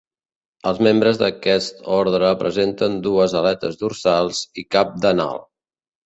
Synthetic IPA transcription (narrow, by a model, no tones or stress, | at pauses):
əlˠzmembɾəzðəkɛst̪ɔɾðɾəːpɾəzent̪ənd̪uəzəlɛt̪ə̰zd̪ursalˠz̥ikap̚d̪əna̰lˠ